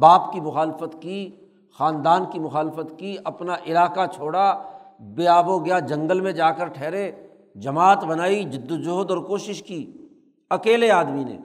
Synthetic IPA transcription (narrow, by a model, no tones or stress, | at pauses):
baːpkimʊxaːlfət̪ki | xaːnd̪aːnkimʊxaːlfət̪kiɐpnaʔɪlaːkat͡ʃʰoːɽabeːaːboɡɐjad͡ʒɐ̃ŋɡəlmẽd͡ʒaːkəɾʈʰɛːɾe | d͡ʒɐmaːt̪bɐnaːid͡ʒɪd̪ːod͡ʒoːd̪ɔːɾkoːʃɪʃkiː | ɐkeːleaːd̪minḛː